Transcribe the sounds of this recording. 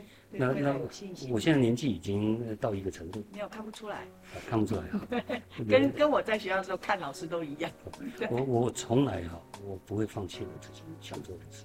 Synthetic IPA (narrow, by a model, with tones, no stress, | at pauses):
na˥˧na˥˩wɔ˨˩ɕjɛ˥˧nt͡sa˥˩njɛ˧˥nt͡ɕi˥˩i˨˩t͡ɕi˦ŋ˧t̪ɑ˥˩ʊi˧˥ɡə˨ʈ͡ʂʰə˧˥ŋt̪u˥˩me˧˥jo˨˩kʰa˥˩npu˨˩ʈ͡ʂʰu˥la˧˦ɪ | ə˨˩kʰa˥˩npu˧ʈ͡ʂʰu˥la˨˧˥ɪ˨˧˩kə˦nkə˥nwɔ˨˩t͡sa˥˩ɪɕdə˩ʂ̩˧˥˧kʰa˥˩nlɑ˨˩ʊʂɻ̩˥˧t̪̬o˥ʊi˧˥jɑ˥˩ŋ˥˩˥wɔ˨˩wɔ˨˩t͡sʰʊ˧˥ŋla˧˥ɪxɑ˨˩wɔ˨˩pu˧˥xwe˥˧ɪfɑ˥˧ŋt͡ɕʰi˥˩ni˨˩t͡sɹ̩˥˩t͡ɕʰi˨˩nɕjɑ̰˨˩ŋt͡swɔ˥˩ə˧˨˩t͡s̩ʰ˥˩